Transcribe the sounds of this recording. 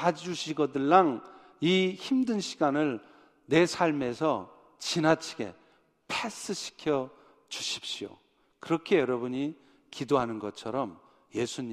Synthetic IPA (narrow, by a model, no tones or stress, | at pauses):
ad͡ʑuɕʰiɡʌdɯɭːaŋ | içimdɯnɕʰiɡanɯɭ | ne̞sʰaɭme̞sʰʌ | t͡ɕinat͡ɕʰiɡe̞̰ | pʰes͈ɯɕʰi̥kʰjʌ | t͡ɕuɕʰi̥p̚ɕ͈io̰ | kɯɾʌkʰe̞jʌɾʌbuɲi | kidoɦanɯnɡʌt͡ɕʰʌɾʌm | je̞sʰuɲi